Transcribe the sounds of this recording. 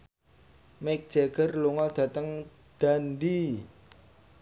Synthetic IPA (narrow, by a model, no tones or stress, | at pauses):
mɛk̚d̥ʒ̥eɡ̥ərluŋɔld̪̥ä̤t̪əŋ | d̪̥anɖi